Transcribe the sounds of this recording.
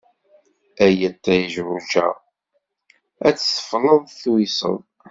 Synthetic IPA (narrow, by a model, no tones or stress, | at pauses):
æjæt̪ːæjʒɾud͡ʒæ̰ | æt͡sːsə̥flənθwisə̰n